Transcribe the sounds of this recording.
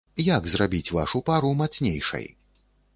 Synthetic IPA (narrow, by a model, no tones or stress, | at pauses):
jaɡzrabʲit͡sʲva̰ʂupaɾumat̪snʲḛjʂɐ̰j